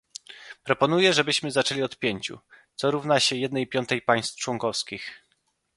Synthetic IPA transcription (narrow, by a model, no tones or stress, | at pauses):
pɾɔpɔn̪ujɛʐɛbɘɕmɘzat͡ʂɛlʲiɔt̪pʲjeɲt͡ɕṵt̪sɔɾuvnaɕɛjɛd̪nɛjpʲjɔnt̪ɛjpaj̃st̪ft͡ʂwɔŋkɔfskʲix